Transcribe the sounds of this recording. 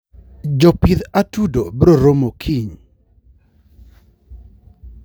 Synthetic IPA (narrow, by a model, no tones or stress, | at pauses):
d͡ʒɔpid̪atudobɾoɾomokʰiɲ